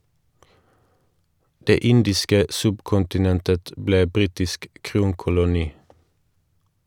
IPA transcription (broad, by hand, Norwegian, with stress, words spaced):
ˈdeː ˈɪndɪskə ˈsʉbkʊntɪˌnɛntət ˈbleː ˈbʁiːtɪsk ˈkʁuːŋkʊlʊˌniː